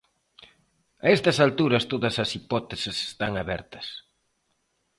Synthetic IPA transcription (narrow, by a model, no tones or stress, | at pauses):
ɐɛst̪ɐsalt̪uɾɐst̪oðɐsɐsipɔt̪esɪse̥st̪aŋaβɛ̰ɾt̪ɐ̥s